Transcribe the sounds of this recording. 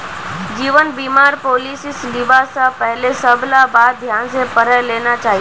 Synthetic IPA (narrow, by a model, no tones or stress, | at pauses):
d͡ʒiʋənbimaɾpolisisliʋasapəɦlesəblabad̪d̪ʱjansepəɾəjlenat͡ʃaɦi